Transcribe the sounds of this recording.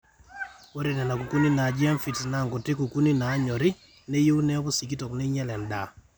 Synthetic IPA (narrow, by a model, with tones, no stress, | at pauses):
wo˦ɾe˦˨nɛ˨na˨ku˨ku˦ni˦na˨d͡ʒɪ˦a˦mfi˨tna˨ŋɡo˨tɪ˦ku˨ku˦ni˦na˨˦ɲɔ˨ɾɪ˦ | ne˦jo˦wnɛ˦bɔ˦si˨k̬i˦tɔ˨knɛ˦ɲɛ˦lɛ˨nda̰˨